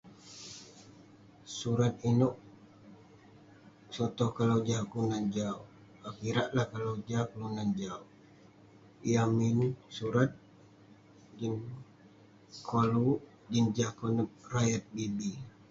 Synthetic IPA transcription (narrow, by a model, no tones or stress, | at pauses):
suɾat̪̚inʊʔ | sɔt̪ɔhkalawd͡ʒaklunand͡ʒau | akiɾaʔlahkalawd͡ʒakəlunand͡ʒau | iaminsuɾat̪̚ | d͡ʒin | kʰolu | d͡ʒind͡ʒahkonəp̚rajət̪̚bibi